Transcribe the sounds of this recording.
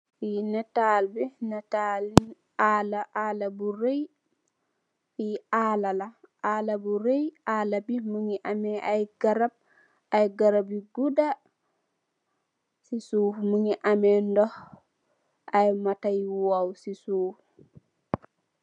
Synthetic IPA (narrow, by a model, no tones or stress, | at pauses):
finɛtalbɛnɛtali | alaʔalabuɾej | fiaːlalaʔaːlabuɾejaːlabimuŋiʔamɛʔajɡaɾab̚ | ajɡaɾabiɡuda | sisuːfmuŋiʔamɛndɔh | ʔajmatajwawsisuf